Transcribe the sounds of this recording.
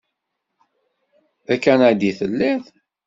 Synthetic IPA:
ækːænad̪iθəlːiθ

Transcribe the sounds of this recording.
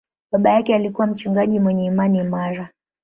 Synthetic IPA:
ɓaɓajakɛalikuwam̩t͡ʃuŋɡaʄimwɛɲɛimanimaɾa

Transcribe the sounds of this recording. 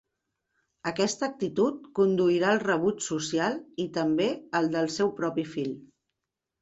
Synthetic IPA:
əkɛst̪əːk̚t̪it̪ut̪̚kund̪uiɾaəlˠrəβ̞ut͡ʃsusialˠit̪əmbeəlˠd̪əlˠsɛwpɾɔpifiʎ

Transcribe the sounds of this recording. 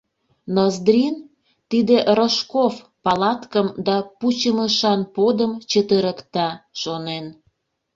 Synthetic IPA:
nozd̪ɾin | t̪id̪eʔɾoʃkof | pɑlɑt̪kəmd̪ɑput͡ɕəməʃɑnpod̪əmt͡ɕət̪əɾəkt̪ɑʃonen

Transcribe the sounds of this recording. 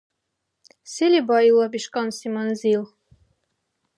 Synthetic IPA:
selʲibɑilˠɑbiʃkɑnsimɑnzilˠ

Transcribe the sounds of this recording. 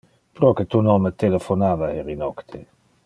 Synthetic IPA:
pɾɔket̪unɔŋmət̪elefonaːvaeɾinɔkt̪ʰe

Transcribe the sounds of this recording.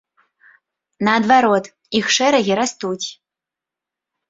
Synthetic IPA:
nɐːd̪vaɾɔt̪ | ixʂɛɾɐɣʲiɾast̪ut͡sʲ

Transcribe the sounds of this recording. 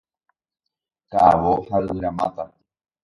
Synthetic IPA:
kaʔaʋohaʔɨɾamã̰t̪a

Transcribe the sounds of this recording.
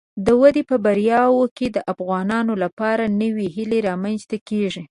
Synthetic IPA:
d̪əwad̪epəbaɾjɑwoked̪əʔafɣɑnɑnolapɑɾanəweɦileɾɑmanst̪akeʐi

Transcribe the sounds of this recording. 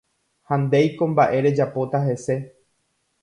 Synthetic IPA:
hãnd̪e̞jkõ̞mbaʔe̞ɾe̞d͡ʒapo̞t̪aɦe̞se̞

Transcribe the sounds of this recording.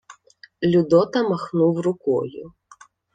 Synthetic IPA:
lʲʊd̪ɔt̪ɐmaxnuwrʊkɔ̰jʊ̰

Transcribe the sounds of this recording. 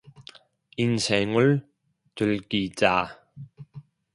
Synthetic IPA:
insɛːŋʊ | t͡sulkiːt͡saː

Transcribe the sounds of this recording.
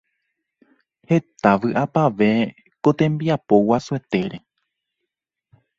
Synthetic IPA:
he̞t̪aʋɨʔapaʋe̞ | kot̪ẽ̞mbiapo̞wasue̞t̪e̞ɾe̞

